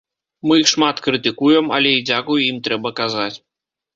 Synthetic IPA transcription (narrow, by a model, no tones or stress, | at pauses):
mɨjixʂmat̪kɾɨt̪ɨkujɛmɐ̰lʲɛid͡zʲakujuimt̪ɾɛbɐkazat͡sʲ